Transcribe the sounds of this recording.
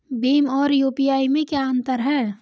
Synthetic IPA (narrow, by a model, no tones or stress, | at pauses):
biːmɔːɾjuːpijaːimẽkjaənt̪əɾɦɛː